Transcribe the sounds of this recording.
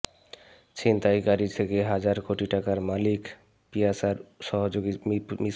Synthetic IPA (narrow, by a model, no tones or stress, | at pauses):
t͡ɕint̪aikaɾit̪ʰekeɦad͡ʑaɾkoʈiʈakaɾmalik | pijasaɾʃɔɦooɡimi